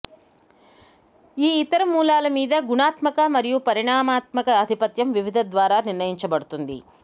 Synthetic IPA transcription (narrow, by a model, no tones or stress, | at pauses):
iːit̪ɐɾɐmuːlaːlɐmiːd̪ɐɡunaːt̪mɐkɐmɐɾijupɐɾiɳaːmaːt̪mɐkɐːd̪ʱipɐt̪jɐmʋiʋid̪ʱɐd̪ʋaːɾaːniɾnɐjiɲt͡ʃɐbɐɽut̪und̪ḭ